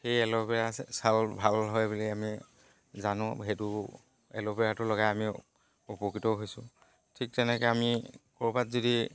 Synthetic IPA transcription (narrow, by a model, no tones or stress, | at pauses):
xejɛlɔpɛɹasalbʱalɦɔjbuliami | zanʊ̃xetʊ | ɛ̰lɔpɛɹatʊlɔɣajami | upokitɔɦojsʊ̃ | tʰik̚tɛnɛkɛamikɔɹbatzodi